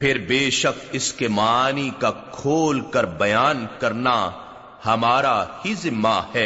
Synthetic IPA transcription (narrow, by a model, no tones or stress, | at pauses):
pʰɪɾbeːʃɐk̚ɪskemaːnikakʰoːlkɐɾbɐjaːnkɐɾna | hɐmaːɾahizɪmːahɛː